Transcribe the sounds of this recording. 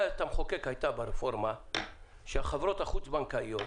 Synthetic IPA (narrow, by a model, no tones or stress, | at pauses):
t̪amχokekhajt̪abaɾefo̞ɾma | ʃeaχavɾot̪haχut͡sbankaijo